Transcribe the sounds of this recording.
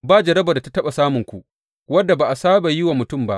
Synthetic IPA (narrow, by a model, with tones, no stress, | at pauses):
baː˦˨d͡ʒɐ˨ɾɐ˦ba˨da˨ta˨tɐ˦ɓa˨saː˦mʊ˨ŋkʷu˨ | wɐ˦dːa˨ba˨ʔa˨saː˦ba˨jɪ˦wa˨mʊ˨tʊ˦˨mba̰˦ʔ